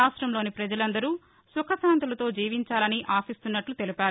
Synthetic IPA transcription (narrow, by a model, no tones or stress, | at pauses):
aːsʈɾɐmlo̞ːnipɾɐd͡ʒɐlɐnd̪ɐɾuː | sukʰɐsaːnt̪ulɐt̪o̞ːd͡ʒiːʋiɲt͡ʃaːlɐniʔaːsist̪unːɐʈlut̪e̞lipaːɾ